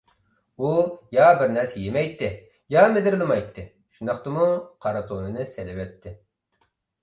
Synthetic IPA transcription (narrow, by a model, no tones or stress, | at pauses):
ujɑbɪɾnɛɾsɛjemɛjt̪ʰːɪ | jɑmed̪ɪɾlˠɨmɑjt̪ʰːɨ | ʃund̪ɑχt̪ɨmuqʰɑɾɑt̪ʰonɨnɨselɪvɛt̪ʰːɪ